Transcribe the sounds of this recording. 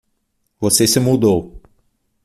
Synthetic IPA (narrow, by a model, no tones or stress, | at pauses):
vosesɪmud̪ow